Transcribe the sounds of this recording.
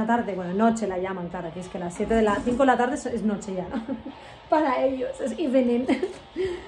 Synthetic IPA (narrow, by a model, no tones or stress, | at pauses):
at̪aɾðeβwenonot͡ʃelaʎamaŋklaɾakieskelasːjet̪eðelaθiŋkoelat̪aɾðeseznot͡ʃeʝano | paɾaeʎosesiβenenes